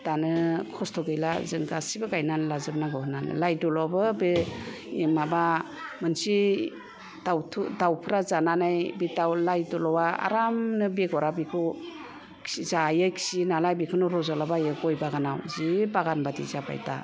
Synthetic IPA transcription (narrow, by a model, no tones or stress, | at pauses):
d̥anɯkʰɔstʰɔɡɯjlazɯŋɡasibɯɡajnanlazɯp̚naɡɯhɯnanɯ̰lajdɔlɔbɯbe | maba | mɯnsi | dawtʰudawpʰɯɾazananajbitawlajdɔlɔwaa̰ɾamnɯbeɡɔɾabikʰɯ̥ | izajɯjkʰi̥sinalajbikʰɯnɔɾɔzalabajɯɡɔjbaɡana̰wzibaɡanbadḭzaba̰jta̰